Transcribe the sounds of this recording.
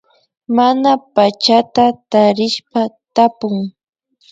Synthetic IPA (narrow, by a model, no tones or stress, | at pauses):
manapat͡ʃat̪at̪aɾɪʃpat̪apʊŋ